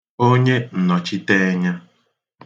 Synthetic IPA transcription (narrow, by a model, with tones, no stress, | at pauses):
o˦ɲe˦n̩˨nɔ˨t͡ʃi˦te˦ɲa˦